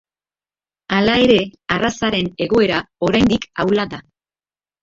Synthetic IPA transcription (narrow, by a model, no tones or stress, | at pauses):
alae̞ɾe̞arasaɾe̞ne̞ɣ̞o̞e̞ɾao̞ɾajnd̪ikawlaða